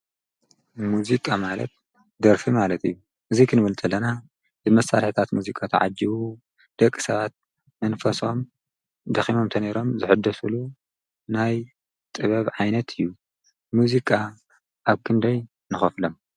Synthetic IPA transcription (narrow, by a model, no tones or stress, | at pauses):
muzikʼamalɐ̰t̪̚ | d̪ɐɾfimalɐt̪ɨjːu | ʔɨzikʰɨnɨβɐlt̪ʼɐlːɐna | bɨmɐsa̰ɾħt̪ʰat̪muzikʼat̪ʰɐʕa̰d͡ʒiwu | d̪̥ɐkʼːi̥sɐβat̪̚ | mɐnfɐso̞m | d̪ɐximo̞mt̪ʰɐneɾo̞mzɨħɨd̪ːɐsulu | naj | t̪ʼɨβɐβʕajnɐt̪ʰɨjːu | muzikʼa | ʔaβkʰɨnd̪ɐj | nɨxɐflom